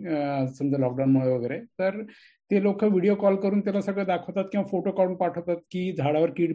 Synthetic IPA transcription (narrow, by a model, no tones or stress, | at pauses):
sə̃nd̪elɔːk̚ɖawnmɔɭebʱəɡɛɾet̪əɾ | t̪elokʰːəʋiɽijokɔlkəɾunt̪elasəɡed̪akʰot̪at̪̚kẽw̃pʰoʈokɔɾunpaʈʰot̪at̪̚kid͡ʒ̪ʱaɽaʋəɾkiɖ